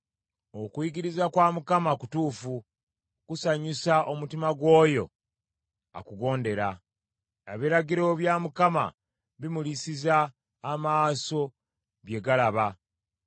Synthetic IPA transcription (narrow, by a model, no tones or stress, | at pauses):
o̞kwiɡiɾizakwaːmukamakutuːfu | kusaɲisaʔo̞mutimaɡwo̞ːjo̞̰ | a̰kuɡo̞ːnde̞ɾa | aβiɾaɡiɾo̞βjaːmukama̰ | βimulisizaː | maːso̞ | βje̞ɡalaβa